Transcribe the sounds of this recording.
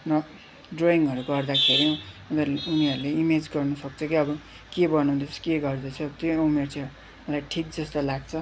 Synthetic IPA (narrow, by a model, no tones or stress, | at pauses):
nʌ | ɖroiŋʌɾuɡʌrd̪akʰeɾi | d̪ʌuniʌɾuleimed͡zɡʌrnʌsʌk̚t͡sʰʌkiʌbʌ | kebʌnũnd̪ʌt͡sʰʌ̥keɡʌrd̪ʌt͡sʰʌbʌt̪joumert͡sʰʌ | mʌlajʈʰik̚d͡zʌst̪olaɡt͡sʰʌ